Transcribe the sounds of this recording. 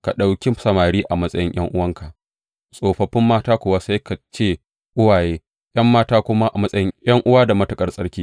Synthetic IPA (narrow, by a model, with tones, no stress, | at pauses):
ka˨ɗa˨wkʲi˦sɐ˨maː˨ɽiː˦ʔa˨mɐ˦sʼɐ̰˦jɪ˦ŋjʔɐ̰˦ŋʔʊ˦wɐ˦ŋka˨ʔ | sʼoː˨ɸɐ˨ɸɪ˦mːaː˦taː˦kʷʊ˨waː˦sa˦jka˨t͡ʃeː˦˨ | ʔʊ˦waː˨jeː˦ | j̰ɐ˦mːaː˦taː˦kʷʊ˦ma˦ʔa˨mɐ˦sʼɐ˦jɪ˦ŋj̰ʔɐ˦ŋʔʊ˦waː˦da˨mɐ˦tɐ˨kʼɐ˦rsʼɐ̰˦ɽkʲiː˦